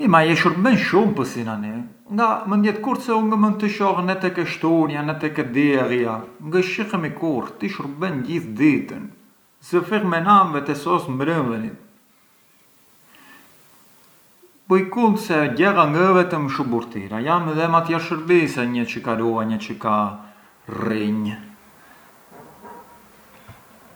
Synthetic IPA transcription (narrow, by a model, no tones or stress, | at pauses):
imajɛʃuɾbɛnʃumpəsinani | ŋɡamənd̪jɛt̪kuɾt̪sɛuŋɡəmənt̪əʃɔhənɛt̪ɛkɛʃt̪unjanɛt̪ɛkɛd̪iɛriaŋɡəʃixəmikuɾt̪iʃuɾbɛnɟiθd̪it̪ə̰n | zəfiʁmɛnamvɛt̪ɛsɔsmbɾənvənit̪ | pujkund̪sɛɟɛʁaŋɡəvɛt̪əmʃubuɾt̪ḭɾajamɛðɛmat̪jaɾʃəɾbisɛɲət͡ʃəkaɾuaɲət͡ʃəka | riɲ